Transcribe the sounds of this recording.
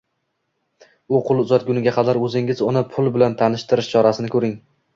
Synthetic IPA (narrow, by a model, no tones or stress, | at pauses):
ʊqʰʊlˠʊzɒt̪̚ɡʲʊnɪɡʲaqʰɑd̪aɾɵzɪŋɪzʊnɪpʰʊlˠbɪlant̪ʰanɪʃt̪ɪɾɪʃt͡ʃʰɒɾasɪnɪkʰɵɾɪŋ